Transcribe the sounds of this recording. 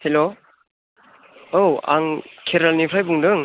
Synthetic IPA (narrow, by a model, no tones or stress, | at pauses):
helo | owa̰ŋkʰeɾalnipʰɾajbuŋdɯŋ